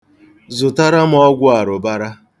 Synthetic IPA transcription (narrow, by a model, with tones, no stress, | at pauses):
zʊ˨ta˦ɾa˦m̩˦ɔ˦ɡʷʊ˦a˨ɾʊ˨ba˦ɾa˦